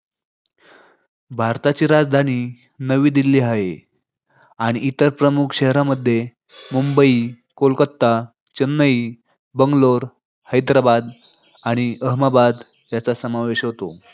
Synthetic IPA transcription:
bʱaɾt̪at͡ɕiːɾad͡zd̪ʱañiː | nəʋiːd̪ilːiaɦḛ | aɽ̃iʔit̪əɾpɾəmukʰɕəɦɾaməd̪ʱːje | mumbəi | kolkət̪ːa | t͡ɕənːəi | bəŋɡloɾ | həjd̪ɾabad̪ | aɽ̃iəɦmabad̪ | jat͡sasəmaʋeɕɦot̪o

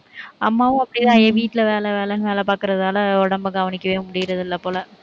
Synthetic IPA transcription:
ɐmːaːʋʊ̃ɐpːɐɽɪt̪ãːjeʋiːʈːɪlɐʋeːlɛʋeːlɛlʋeːlɛpaːkɪɾɐðaːlɐɔɽɐmbɐɡɐʋɐnɪkʲːɐʋeːmʊɽɪɣɪɾɐðɯɪlːɐpoːlɐ

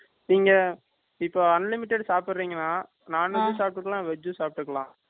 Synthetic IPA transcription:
niːŋɡɐ | ɪpːoːɐnlɪmɪʈːɛɖsaːpɯɾːiːŋɡɐnːaː | naːnːɯnːɯ̃saːp̚ʈːɯkːɐɭãːʋɛd͡ʒːɯ̃saːp̚ʈːɯkːɐlãː

